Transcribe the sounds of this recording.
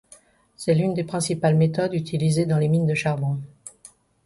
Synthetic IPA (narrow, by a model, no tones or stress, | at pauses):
sɛlynd̪epχɛ̃sipalmet̪ɔd̪yt̪ʰilized̪ɑ̃lemind̪əʃaʁbɔ̃